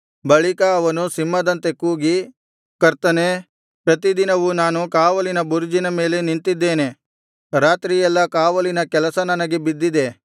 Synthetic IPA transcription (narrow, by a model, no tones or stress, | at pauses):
bɐɭikɐːʋɐnusimːɐd̪ɐnt̪e̞kuːɡi | kɐɾt̪ɐne | pɾɐt̪id̪inɐʋunaːnukaːʋɐlinɐbuɾd͡ʒinɐme̞ːle̞niɳt̪id̪ːeːne | ɾaːt̪ɾijɛlːɐkaːʋɐlinɐkɛlɐsɐnɐnɐɡe̞bid̪ːid̪e̞